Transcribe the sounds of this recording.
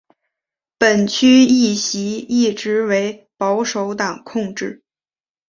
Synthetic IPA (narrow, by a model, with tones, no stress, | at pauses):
pə˨˩nt͡ɕʰy˥i˥˩ɕi˧˥i˥˩ʈ͡ʂɻ̩˧˥we˧˥ɪpɑ˧˥ʊʂo˧˥ʊt̪ɑ˨˩ŋkʰʊ˥˧ŋʈ͡ʂɻ̩˥˩